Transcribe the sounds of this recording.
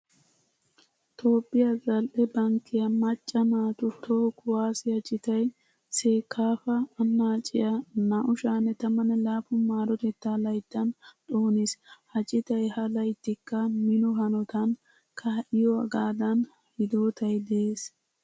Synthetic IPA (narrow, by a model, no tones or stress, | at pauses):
t̪ʰo̞ːpʼːɪjazɐlʔɛbɐŋkːɪjɐmɐt͡ʃʼːɐnaːt̪ʊt̪ʰoːkʊwaːsɪhɐt͡ʃʼɪt̪ɐj | seːkʰːaːfɐːnːaːt͡ʃʼɪjɐnɐʔʊʃaːnːɛt̪ɐmɐnɛlaːfʊmaːɾɔt̪ɛt̪ːaːlɐjt̪ːɐnt̪ʼo̞ːneshɐt͡ʃʼɪt̪ɐjhɐlɐjt̪ːɪkːɐmɪnɔɦɐnɔt̪ɐn | kʰaʔɪjɔɐɡaːd̪ɐn | hɪd̪o̞ːt̪ʰɐjd̪ɛeːs